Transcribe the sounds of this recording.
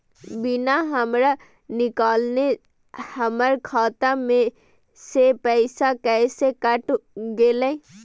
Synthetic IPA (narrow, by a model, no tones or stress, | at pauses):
binaɦəmɾa | nɪkaːlne | həməɾkʰaːt̪amẽ | sepəɪsakɛsekəʈɡelɛ